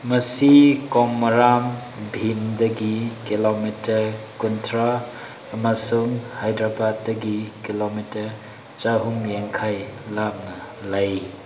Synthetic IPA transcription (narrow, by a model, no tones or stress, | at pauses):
mɐsikɔmɐɾam | bʱimdɐɡikilomitɐkuntʰɾaː | masuŋhajdɾabad̚ːɐɡikilomitɐɾ | t͡ʃaɦumjeŋkʰajlap̚nɐ | lɐj